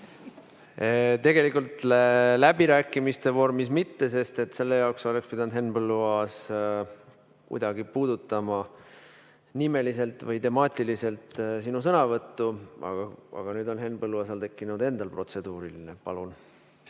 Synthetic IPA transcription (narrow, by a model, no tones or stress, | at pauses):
t̪e̞ɡe̞likult̪lelæb̥iɾæːkːˑimist̪e̞vo̞rmismit̪ːe̞se̞st̪e̞t̪se̞lːe̞jɑokso̞lekspid̪ɑnd̪he̞nbɤlːuɑs | kṵjd̪̥ɑɡ̥ipuːd̪̥ut̪ːˑɑmɑ | nime̞lise̞lt̪vɤjt̪e̞mɑːt̪ʲˑilise̞lt̪sinusɤnɑvɤt̪ːuɑ̰ɡ̥ɑɑ̰ɡ̥ɑnyːd̪o̞nɦe̞nb̥ɤlːuɑsɑlt̪e̞kːinud̪̥e̞nd̪̥ɑlpro̞t̪se̞d̪̥uːɾilinepɑ̰lun